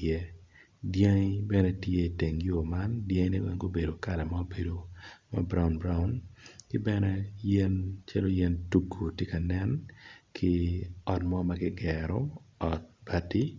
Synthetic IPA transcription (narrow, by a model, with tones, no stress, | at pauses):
ɛ˦ | dja˦ŋ˦bɛ˦nɛ˦tje˦i˨te˨ŋjo˦ma˦ndja˦ŋ˦ne˦wɛ˦ŋɡo˦be˨do˨ka˦˨lɛ˨ma˦o˦be˨do˨ma̰˨bɾa˦ʊ˨nbɾa˦u˦nkɪ˦bɛ˦nɛ˦jɛ˦nt͡ʃa˦lo˦jɛ˦ntu˦kʰːo˨tje˦ka˨nɛ˦nkʰɪ˦ɔ˨tmɔ˦ma˦ɡɪ˦ɡɛɾɔ˦ɔ˨t̚ba˦ti˦